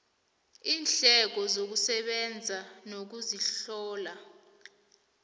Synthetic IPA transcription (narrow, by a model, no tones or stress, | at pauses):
iːnɬɛk̬ɔzok̬usɛɓɛnd͡zʱanok̬uziɬɔːla